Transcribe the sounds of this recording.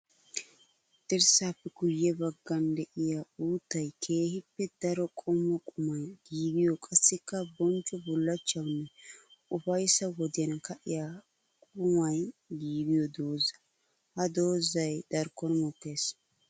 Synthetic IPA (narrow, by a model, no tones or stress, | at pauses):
t̪ʼɪɾsaːpːɛɡʊjːɛbɐɡːɐnd̪ɛʔɪjauːt̪ːɐjkʰe̞ːhɪpːɛd̪ɐɾɔkʼʊmɔkʼʊmɐjɡ̥iːd̪ɪjɔkʼɐsːɪkːɐbɔnt͡ʃʼːɔbʊlːɐt͡ʃːɐwnːɛʊfɐjsɐwɔd̪ɪjɐnkɐʔɪja | kʼʊmɐjɡiːd̪ɪjɔd̪o̞ːzɐ̥ | hɐd̪o̞ːzɐjd̪̥ɐɾkːɔnmɔkːe̞ːs